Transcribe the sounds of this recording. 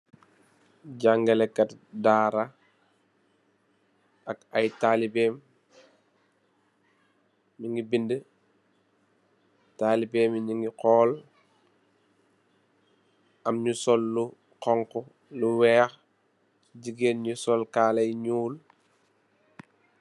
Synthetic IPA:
ɟaŋɡɐlɛkɐtdaːɾa | ɐkɐjtaːlibɛːm | miŋɡibində | taːlibɛːmiɲiŋɡiqɔːl | ɐmɲusɔlːu | qɔŋkɔ | luwɛːx | ɟiɡeːnɲusɔlkaːlɐjɲuːl

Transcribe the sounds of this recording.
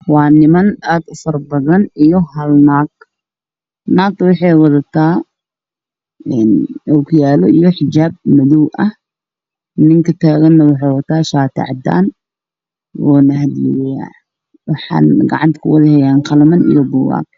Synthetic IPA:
waːnɪmɐnaːd̪ʊfɐrbɐðɐnijɔɦɐlnaːɡ | naːk̚t̪wɑħɑjwɐðɐt̪ʰaː | ɛnɔkʰjaːlɔʔijɔħɪd͡ʒaːb̚mɐðuwʔɐh | nɪŋkɐt̪ʰaːɣɐnːɐwʊħɑːwɐt̪ʰaːʃaːt̪ʰa̰ʕd̪a̰ːn | wɔ̰ːnɐɦɐd̪ɪja̰ | wɑħɑ̰ːnɡɑʕɑnt̪kʰʊwɐðɪhɛjaːnqɑlɐmɐnḭjɔbʊwa̰ːɡ̚

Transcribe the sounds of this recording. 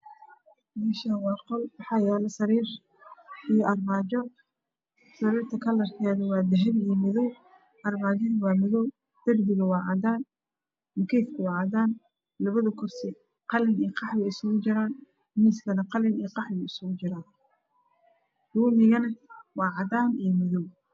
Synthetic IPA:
mɛːʃɐɦɐwɑːqɔlwɑħɑːjɛːlɐsɐɾiːr | ijʔɐrmaːd͡ʒɔ | sɐɾiːrt̪ʰɐkʰɐlɐrkʰɛːðɐwɑːd̪ɛɦɛβiːjmɪðɔw | ʔɐrmaːd͡ʒɔɾwɑːmɪðɔw | d̪̥ɐrb̪ɪɣɐwɑːʕɑd̪aːn | mʊkʰɛːfkʰʊwɑːʕɑd̪aːn | lɐβɐðɐkʰʊrsɪ | qɑlɪnijqʰɑħwɛjɪsʊɣʊt͡ʃɪɾaːn | miːskʰɐnɐqɑlɪnijqɑħbɛjɪsʊɣʊt͡ʃɪɾaːn | r̥uːmɪɣɐnɐwɑːʕɑd̪aːnijɔmɪðɔw

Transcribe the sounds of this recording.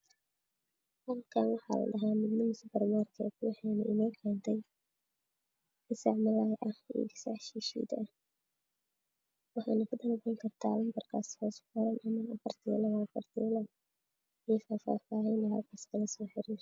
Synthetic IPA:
hɐlkʰaːnwɑħɑ̰ːlɐ̰ɖɐɦaːmɪd̪nɪmɪsbɐrmaːrkʰɛ̰ːt̪wɑħɑjnɐʔɪnaːkʰɛːnt̪ʰɛj | ɪsaʕmɐlaːjʔɐhḭːɪsa̰ʕʃiːʃḭd̪ɐ | wɑħɑjnɐkʊd̪ɐnʊkɔŋkʰɐrt̪ʰaːlɐmbɐrkʰaːshɔːsħʊɾɐnʔɐmɐnɐfɐrt̪ʰiːlɐwaːfɐrt̪ʰḭːlɐ | ifaːfa̰ːfaːɦiːnɔhɐlkʰaːskʰɐɣɐsɔːħɪɾiːr

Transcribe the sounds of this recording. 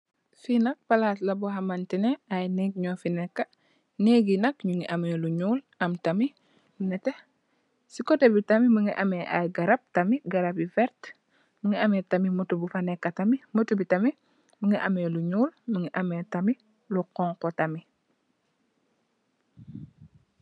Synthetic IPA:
finɐk̚palaslɐbuɦamantineajneɡ̚ɲofinekːɐ | neɡinɐkɲuŋiʔameluɲuːl | ɐmtɐmi | lunɛte | sikotebitɐmiməŋiʔameʔa̰jɡaɾap̚tɐmiɡaɾabifɛɾt | məŋiametamimutubufanekːatamimutubitɐmi | məŋiʔameluɲuːlməŋiʔametami | luqɔŋkotami

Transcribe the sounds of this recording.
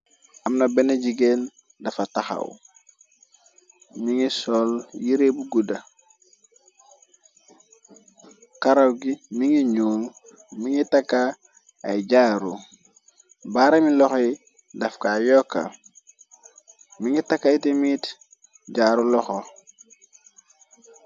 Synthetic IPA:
amnobeneɟiɡen | dɐfataxa̰w | miŋisoljiɾebuɡuda | kaɾawɡimiŋiɲuːŋ | miŋitakːa | a̰iɟaːɾu | baɾemilɔxi | dafkajokːa̰ | miŋitakːaitimit | ɟaːɾulɔxo

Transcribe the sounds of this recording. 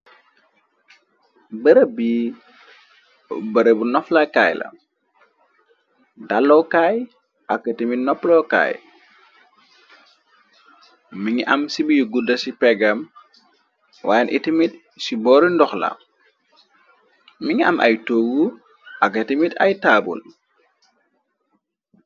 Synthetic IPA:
bɐɾəbi | bɐɾəbunɔflakajlɐ̰ | dalːɔwkaj | ʔɐkːətimitnɔpːlɔka̰ːj | miŋiʔɐmsibijuɡudɐsipɛɡɐm | waːjnʔitimit̚ | sibɔːɾindɔxlɐ̰ | miŋiɐ̰mʔa̰jtoːɡu | ʔakːɐtimita̰jtaːbṵl

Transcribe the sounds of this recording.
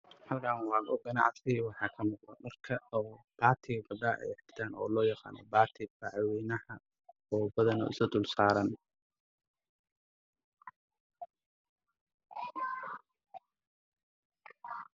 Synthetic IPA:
ħɐlkʰaːnwɑːɡɔɡɐnɑ̰ʕsɪwɑħɑːkʰɐmɑqd̪ɔ̰mɐrkʰɐɔː | b̥aːt̪ʰɪbɐɖaːʔɛ̰jħɪkt̪ʰaːnʔɔ̰ːlɔːjɑqɑ̰ːnɔ̰baːt̪ʰɪbɑʕwɛːnɐhɐ | ɔːbɐðɐnɔ̰ɪ̰sɐd̪ʊlsaːɾɐn

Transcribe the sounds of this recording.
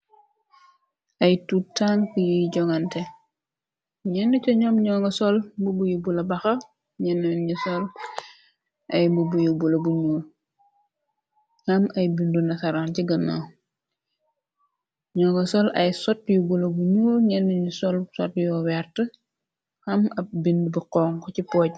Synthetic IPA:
ʔɐjtutːaːnkujiɟɔŋɐnte | ɲɛnːucɔɲɔːmɲɔːŋɡɐsɔlbubujubulɐbɐxɐ | ɲɛnːuɲusɔl | ʔɐjmbubujubulɐbuɲuːl | hɐmɐjbindunɐsɐɾanciɡənːo̰ː | ɲɔːŋɡɐsɔlɐjsɔt̚jubulɐbuɲuːɾɲɛnduɲusɔlsɔtjɔwɛɾtə | hɐmɐp̚bindubuqɔːŋkɔcipɔːɟ̚

